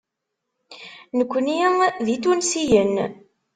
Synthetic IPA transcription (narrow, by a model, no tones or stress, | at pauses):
nəkʷːniðit̪unsijən